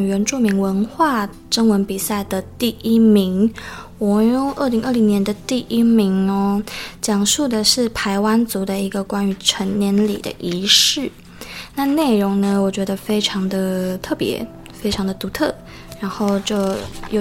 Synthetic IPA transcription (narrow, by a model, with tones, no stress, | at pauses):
ɥɛ˧˥nʈ͡ʂu˥˩mi˧˥ŋwə˧˦˥nxwa˥˩ | ʈ͡ʂə˥ŋwə˧˦˥npi˨˩sa˥˩ɪd̪ə˩t̪i˥˩ʔi˥mi˧˥ŋwɔ˨˩o˥˩ʔə˥˩li˧˥ŋʔə˥˩li˧˥ŋnjɛ˧˥nd̪ə˨t̪i˥˩ʔi˥mi˧˥ŋɔ˧t͡ɕjɑ˨˩ŋʂu˥˩d̪ə˨ʂɻ̩˥˩pʰa˧˥ɪwa˥nt͡su˧˥d̪ə˧i˧˥ɡə˨kwa˥ny˧˥ʈ͡ʂʰə˧˥ŋnjɛ˧˥nlḭ˨˩d̪ə̰˦ʔi˧˥ʂɻ̩˥˩ | na˥˧ne˥˩ɪɻo˧˥ŋnə˧wɔ˨˩t͡ɕɥɛ˧˥d̪ə˧fe˥ɪʈ͡ʂʰɑ˧˥ŋd̪ə˨t̪ʰɤ˥˩pjɛ̰˧˦ | fe˥ɪʈ͡ʂʰɑ˧˥ŋd̪ə˨t̪u˧˥t̪ʰɤ˥˩ | ɻa˧˥nxo˥˩ʊt͡ɕjo˥˩ʊjo˨˩